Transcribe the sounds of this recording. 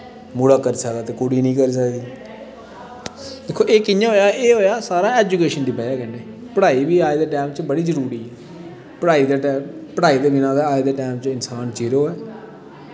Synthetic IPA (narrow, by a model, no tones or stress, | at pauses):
muɽaːkəɾiːsəkd̪aːt̪eːkʊɽiːnĩːkəɾiːs̬əkd̪iː | d̪eːkʰːoːʔeːkɪjãːɦoːjaːeːɦoːjaːsaːɾãːeːd͡ʒuːkeːʃənd̪iːbəd͡ʒaːkɛneː | pəɽaːiːbiːaːed̪eːʈɛːmt͡ʃbəɽiːzəɾuːɾiːɛː | pəɽaːiːd̪eːɛpəɽaːiːd̪eːbɪnãːd̪eaːed̪eːʈɛːmt͡ʃɪnsaːnt͡ʃiːɾoːɛː